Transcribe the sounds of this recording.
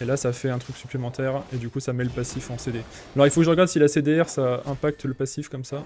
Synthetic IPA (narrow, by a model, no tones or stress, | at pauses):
elasafɛɛ̃t̪χyksyplemɑ̃t̪ɛʁed̪ykusamɛləpasifɑ̃sed̪e | alɔʁilfokəʒəʁəɡaʁd̪silased̪eɛʁsaɛ̃pak̚t̪ləpasifkɔmsa